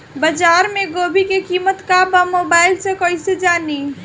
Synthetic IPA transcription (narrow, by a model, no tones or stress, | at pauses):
bəd͡ʒaːɾmẽɡoːbʱikekiːmət̪kabamoːbaːɪlsekoːised͡ʒaːni